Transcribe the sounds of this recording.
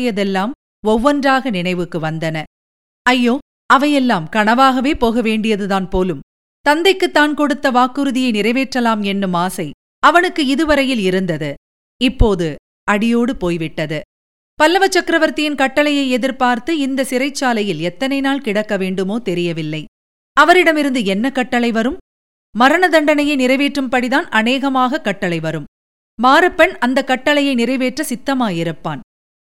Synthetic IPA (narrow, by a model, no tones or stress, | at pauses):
jɐðɛlːaːm | ɔʋːɔndraːɣɐnɪɳɐɪʋɯkːɯʋɐnd̪ɐnɐ | ɐjːoː | ɐʋɐjɛlːaːmkɐɳɐʋaːɣɐʋeːpoːɣɐʋeːɳɖɪjɐðɯðaːnpoːlɯm | t̪ɐnd̪ɐɪkːɯt̪ːaːnkɔɽɯt̪ːɐʋaːkːɯɾɯðɪjɐɪnɪɾɐɪʋeːʈrɐlaːmɛnːɯmaːsɐɪ | ɐʋɐnɯkːɯɪðɯʋɐɾɐjɪlɪɾɯnd̪ɐðɯ | ɪpːoːðɯ | ɐɽɪjoːɽɯpoːjʋɪʈːɐðɯ | pɐlːɐʋɐt͡ʃːɐkɾɐʋɐɾt̪ɪjɪnkɐʈːɐɭɐjɐɪɛðɪɾpaːɾt̪ɯɪnd̪ɐsɪɾɐɪt͡ʃːaːlɐjɪlɛt̪ːɐnɐɪnaːlkɪɽɐkːɐʋeːɳɖɯmoːt̪ɛɾɪjɐʋɪlːɐɪ | ɐʋɐɾɪɽɐmɪɾɯnd̪ɯɛnːɐkːɐʈːɐɭɐɪʋɐɾɯm | mɐɾɐɳɐd̪ɐɳɖɐnɐjɐɪnɪɾɐɪʋeːʈrɯmpɐɽiðaːnɐneːɣɐmaːɣɐkːɐʈːɐlɐɪʋɐɾɯm | maːɾɐpːɛnɐnd̪ɐkːɐʈːɐlɐjɐɪnɪɾɐɪʋeːʈrɐsɪt̪ːɐmaːɪɾɐpːa̰ːn